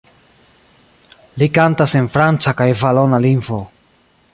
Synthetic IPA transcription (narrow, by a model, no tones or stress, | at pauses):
likantase̞nfɾant͡sakajvalo̞nalinvo̞